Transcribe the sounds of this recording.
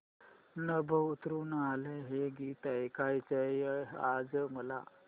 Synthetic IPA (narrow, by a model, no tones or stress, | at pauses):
nəbʱəut̪ɾuːnaleɦeɡit̪əjkʰajt͡səiad͡zəməla̰